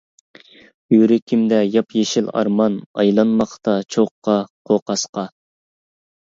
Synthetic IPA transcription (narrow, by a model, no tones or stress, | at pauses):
jyɾɪkʲʰimd̪ɛjɑpjeʃɪlɑ̰ɾmɑnɑ̰jlˠɑnmɑqt̪ɑt͡ʃʰoqːɑqʰoqʰɑsqɑ